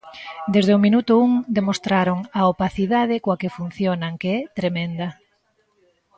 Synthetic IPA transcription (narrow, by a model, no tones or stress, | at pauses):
d̪ezðeomĩnut̪ʊuŋd̪emost̪ɾaɾoŋaopaθiðað̞ɪkoɐkɪfun̟θjonaŋkeɛt̪ɾemẽnd̪ɐ